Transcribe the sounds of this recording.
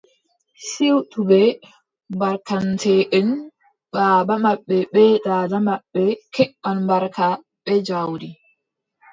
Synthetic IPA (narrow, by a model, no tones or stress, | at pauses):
siwtubɛ | baɾkantʰɛːʔɛn | baːbamaɓːɛɓɛdaːdamaɓːɛkɛʔːanbaɾka | ɓɛd͡ʒawdi